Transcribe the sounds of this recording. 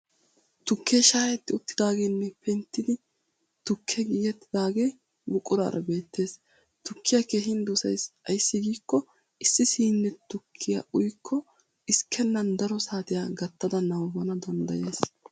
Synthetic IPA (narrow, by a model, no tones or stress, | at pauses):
t̪ʊkʰːeʃaːjɛt̪ːɪʊt̪ːɪd̪aːɡenːɛpɛnt̪ːɪd̪ɪ | t̪ʊkʰːɛɡiːɡɛt̪ːɪd̪aːɡeː | bʊkʼːʊɾa̰ːɾʔɐ̰be̞ːt̪ʰːe̞ːs | t̪ʊkːɪjɐkeːɦɪnd̪usɐjsɐjsːɪɡiːkːɔ | ʔɪsːɪsiːnːɛt̪ʊkʰːɪjɐ̰ʔʊjkʰːɔ | ʔɪskʰːɛnːɐnd̪ɐɾɔsaːt̪ɪjaɡɐt̪ːɐd̪ɐnɐwbɐnɐd̪ɔnd̪ɐ̰jeːs